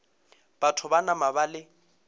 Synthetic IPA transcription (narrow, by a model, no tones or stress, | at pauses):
b̥atʰʊbanamabalɪ